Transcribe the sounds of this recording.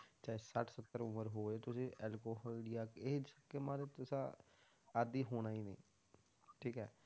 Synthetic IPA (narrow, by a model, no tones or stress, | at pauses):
t͡ʃaːesəʈʰsət̪ːəɾʊməɾɦoːeːt̪ʊsĩːʔɛlkoːɦaːɖijaːkeːsəkːemãːɾeːt̪ʊsãː | əd̪iːɦoːnaːiːnḛ̃ː | ʈʰiːkɛː